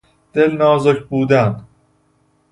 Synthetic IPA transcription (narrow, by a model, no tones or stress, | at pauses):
d̪̥elnɒːzokʰbuːd̪æn